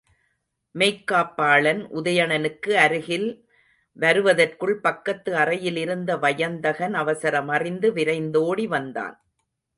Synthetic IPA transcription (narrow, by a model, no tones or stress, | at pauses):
mɛɪkːaːpːaːɭɐnʔʊðɐjɐɳɐnɯkːɯɐɾɯɣɪl | ʋɐɾɯʋɐðɐrkɯɭpɐkːɐt̪ːɯɐrɐjɪlɪɾɯnd̪ɐʋɐjɐnd̪ɐɣɐnɐʋɐsɐɾɐmɐrɪnd̪ɯʋɪɾɐɪnd̪oːɽiʋɐnd̪a̰ːn